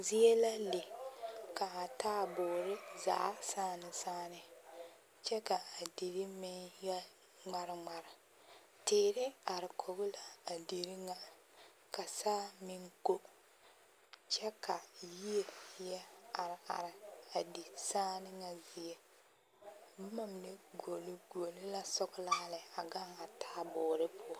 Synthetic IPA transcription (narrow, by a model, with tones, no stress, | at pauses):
zi˦ɛ˦la˦le˨ka˨a˨taː˦boː˨ɾɪ˦za̰˨ʔsaː˦nɨ˨saː˦nɨ˨ | t͡ʃɛ˦ka˨a˨di˨ɾɪ˦mɪ˦njɛ˦ | ŋ͡ma˨ɾɪ˨ŋ͡ma˨ɾɪ˨ | teː˨ɾɪ˦a˨ɾɪ˨kʰo˨bʊ˦la˨a˨di˨ɾɪ˦ŋa˦ | ka˨saː˦mɪ˦ŋko˦ | t͡ʃɛ˦kʰa˨ji˦e˨jɛ˦a˨ɾɪ˨a̰˨ɾɪ˨a˨di˨saː˦nɪ˦ŋa˨zɪ˨e˦˨ | bma˨m˨ne˦ɡo˨li˦ɡo˨lɪ˦la˦sʊ˦ɡlaː˦lɪ˨a˨ɡa˦ŋa˨taː˦˨bʊː˨ɾɪ˦pʰʊ˦ɔ˦